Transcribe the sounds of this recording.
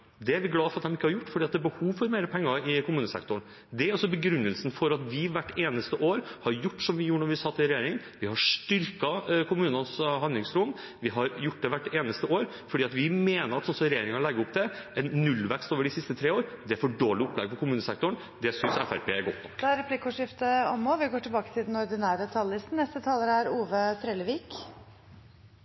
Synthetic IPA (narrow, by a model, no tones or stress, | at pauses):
d̪ɛæɾʋɪɡlɑːfɔɾɑt̪̚d̪ɛmɪkːəhɑɾjʊʈːfɔɖiːt̪̚d̪ɛæbəhuːʋfɔɾmeɪɾəpʰɛŋːɑɪkʊmʉːnəsɛ̰kt̪ʊɳ | d̪ɛɾɔsɔbəɡɾʉnːəlsnfɔɾɑt̪ʋɪʋæʈːeːnəst̪əʔoːɾhɑɾjʊʈːsɔmʋɪjuːɳɔɾʋɪɑsɑt̪ʰːɪlɾɛjeːɾɪŋ | ʋɪhɑʂʈʏɾkɑkʰʊmʉːnɑnsɦɑnd̪lɪŋsɾun | ʋɪɦɑɾjʊʈ̚ːd̪ɛʋæʈːeːnəst̪əoːɾ | fɔɖiːɑt̪ʋɪmeːnəɾɑt̪sɔnsɔmɾɛjeːɾɪŋɑɾlɛɡːəʊp̚d̪ɛɛnːʉlːʋɛkst̪oːʋəɖɪsɪst̪ət̪ʰɾeːoːɾd̪ɛæɾfɔɖoːlɪɔpːlɛɡ̚pɔkʰʊmʉːnəsɛk̚t̪ʊɳ | d̪ɛsʏnsæfæ̰ɾpʰḛːæɾɡɔt̪ːɔd̪ɛæɾɛpʰlɪkʊʂɪft̪əɔmːoːʋɪɡoːʈɪlbɑːkə̥t̪ʰɪld̪ɛnɔɾd̪ɪnæːɾət̪ʰɑllːɪst̪n̩nɛst̪ət̪ʰɑːləɾæɾuːʋət̪ʰɾeːləʋiːk